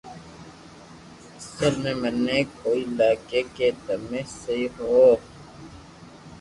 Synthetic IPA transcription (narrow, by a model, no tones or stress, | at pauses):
ɐsəlmẽmɛnekoːilaːkeket̪əmẽːseiɦoː